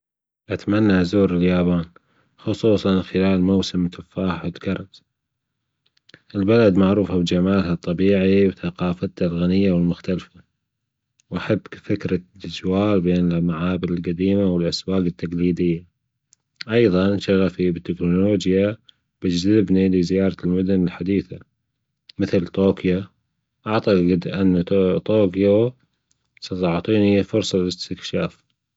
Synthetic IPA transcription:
ʔat̪manːazuːɾɪljaːbaːn | xʊsˤuːsˤɑnxɪlaːlmowsɪmt̪ʰafaːħɪlkɑɾˤt̪ | ʔɪlbalad̪maʕɾuːfabd͡ʒamaːlhat̪ˤːɑbiːʕiwθaqɑːfat̪ːalɣanɪjːawɪlmʊxt̪alfa | wʔaħabːfɪkɾad̪ad͡ʒwaːlbeːnɪmaʕaːbɪlɪlqad̪iːmawɪlʔaswaːɡɪt̪ːaqliːd̪ɪjːa | ʔɑjðˤɑnʃaɣafibɪt̪ːɪknoloːd͡ʒja | b̥ɪd͡ʒzɪbnilizɪjɑːɾˤɑlmʊd̪ʊnɪlħad̪iːθa | mɪθlt̪oːkja | ʔaʕt̪ˤɑqɪd̪ʔanːat̪oːkjo | sɑt̪ɑʕt̪ˤiːnifʊɾsˤɑlɪst̪ɪkʃaːf

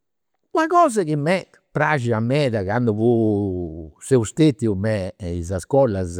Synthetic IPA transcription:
wakɔːzakimːɛt | pɾaʒiamɛːðakand̪uvu | sɛust̪et̪jumɛizaskɔlaz

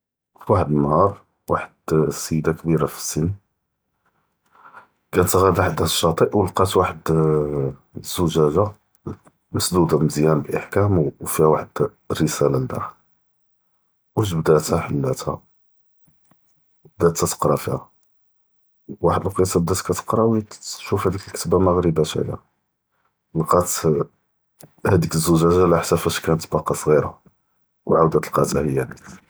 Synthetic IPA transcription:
fwaħəd̪nːhɑɾˤ | waħəd̪səjd̪akbiɾafə̥sən | kæt̪ɣæd̪aħad̪æʃːɑt̪ˤiʔwəlqɑt̪waħəd̪ | z̥uʒæʒa | məsd̪ud̪aməzjænblʔəħkæmfihæwaħəd̪ | rːəsælald̪æ̰ | wæʃ̬bd̪æt̪hæħəlːæt̪hæ̰ | bd̪æt̪ːæt̪ə̥qɾˤɑfihæ | waħəd̪əlqisɑb̚d̪æt̪kæt̪ə̥qɾˤɑwʃufhæd̪ikəlkə̥t̪baməɣɾibæʃæ̰jæ̰ | lqɑt̪ | hæd̪ikəzːuʒæʒalæħsæfæʃkænət̪bɑqːɑsˤɣiɾa | wʕawd̪æt̪əlqɑt̪æhəjːæn

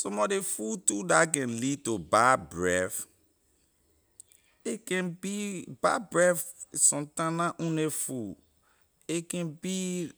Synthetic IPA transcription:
somɔdefutudak̬ɛ̃nlid̚tobabɹɛf | ekɛ̃nbibabɹɛfsɔ̃ntãnãʔũnefu | ekɛ̃nbi

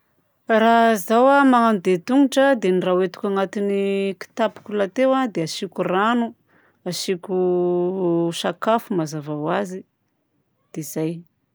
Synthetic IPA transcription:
razawamaŋand̪et̪uŋuʈ͡ʂəd̪enirawet̪u̥kʲaŋat̪iniki̥t̪api̥kʲulat̪ewad̪eaʃikʲuranu | aʃikʲu | ʃakafumazavawazi | d̪̥ez̥aj

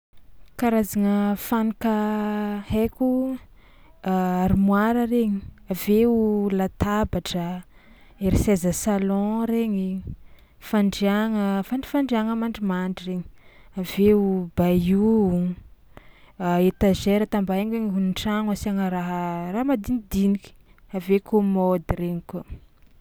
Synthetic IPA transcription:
kaɾazaŋəfanikə | hekʲu | aaɾimwaɾəɾeɲiaveulat̪abaʈ͡ʂə | eɾisezəsalɔ̃ɾeɲi | faɳɖ͡ʐaŋəfaɳɖ͡ʐi̥faɳɖ͡ʐiaŋəmaɳɖ͡ʐimaɳɖ͡ʐireɲi̥ | aveubaju | et̪aʒeɾət̪ambaeɲweɲiɦuniʈ͡ʂaŋasaŋəɾaɦəramad̪inid̪iniki̥avekʰomɔd̪iɾeɲiko

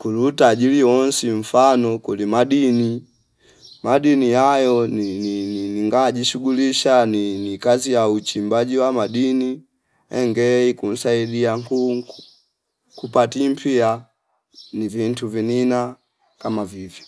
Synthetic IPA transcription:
kulutaːʄiliwɔnsiɱ̩fanɔkulimaɗini | maɗinijajɔninininiŋɡaʄiʃuɡuliʃaninikazijaut͡ʃimbaʄiwamaɗini | ɛŋɡɛikum̩saiɗiaŋku | kupatim̩pʰia | nivintuvinina | kamavivjɔ

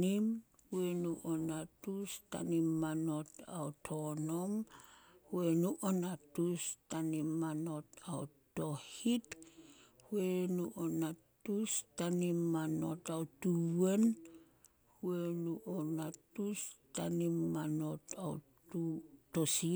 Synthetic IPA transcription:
im | huenuʔonatusta̰nimːano̞tawtʰonomhuenuʔonatustanimːano̞tawto̞hit | huenuʔonatustanimːano̞tawtuwen | huenuonatustanimːano̞taw | tutosi

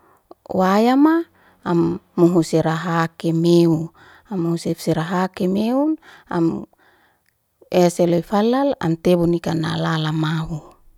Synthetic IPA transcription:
wajamaː | mːuɦuseɾaɦakemeu | amuuseseɾaɦakemeuna̰m | eseloifalala̰mt̪ebunikanalalamaɦu

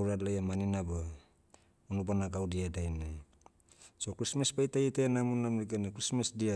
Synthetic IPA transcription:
wɾadlajamaninaba | unubanaɡawdiadajna | sokɾismaspajtajitaenamunamɾiɡanekɾismasdia

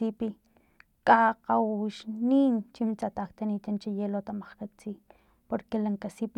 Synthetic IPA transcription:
ipi | kʼaqawuʃniːnt͡ʃimit͡sat̪akt̪anit̪ant͡ʃijelot̪amaχkat͡siː | poɾkelaŋkasip

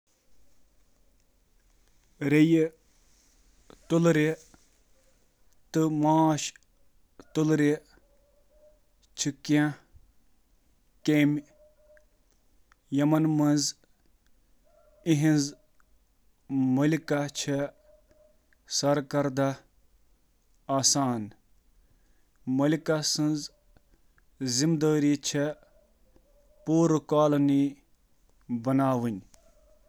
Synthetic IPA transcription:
ɾej | t̪ulɾe | t̪ɨmaːʃ | t̪ulɾe | t͡ʃʰikã | kem | jɐmɐnmɐnz | iɦĩnz | mɐlikat͡ʃʰe | sɐɾkɐɾd̪a | aːsaːn | mɐlikasɨnz | zimd̪əːɾit͡ʃʰe | puːɾkaːlɐni | bɐnaːʋɨnʲ

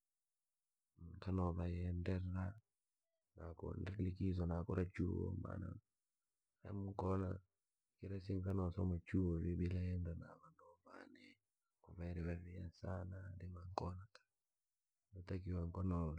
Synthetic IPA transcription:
ŋkanɔβajɛndɛa | nakɔ̰ndɛlikizwanakɔɾat͡ʃuo̰ma̰na̰ | a̰muŋkɔna | kiɾasiŋkanɔsɔmat͡ʃuoβibilajɛndana̰βandɔma̰nɛ | kuvaɾɛβavijasanandimaŋkɔnatḁ | nɔtakiwaŋkɔnɔ

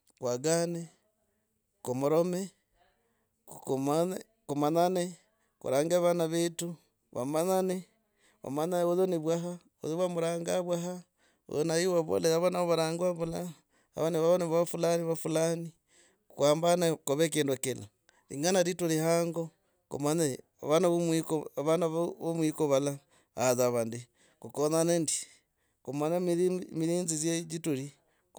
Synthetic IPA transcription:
kwaɡane | komuɾome | kma | kumanane | kṵɾaːŋɡaβanaβetu | βa̰manane | βʔa̰mananoðoniβwaɦa | o̰ðiwamuɾaːŋɡaβwaɦa | o̰ðonajiwaβo̰leɾaβanaoβaɾaːŋɡwaβula | a̰βaneβaβoneβaβafulaniβafulani | kkwaːmbanakoβekendokela | ɾḭŋɡanaɾituɾihaŋɡo | ko̰maɲa̰ | βanamikoβanaββomwikoβala | a̰ðaβandi | kukonanendi | komanammiɾiːnzizjed͡ʒituɾi | k

